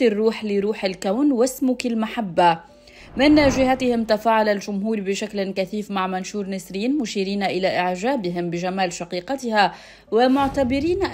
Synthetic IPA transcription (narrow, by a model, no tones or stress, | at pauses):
irːuːħlɪɾuːħɪlkawnwɪsmʊkɪlmaħabːa | mɪnʒɪhat̪ɪhɪmt̪afaːʕalalʒʊmɦuːɾbɪʃaklnkæθiːfmaʕmanʃuːɾˤnɪsɾiːnmʊʃiːɾiːnʔɪlaʔɪʕʒaːbɪɦɪmbɪʒamaːlʃɑqiːqɑt̪ɪha | wɪmʊʕt̪abɪɾiːnʔ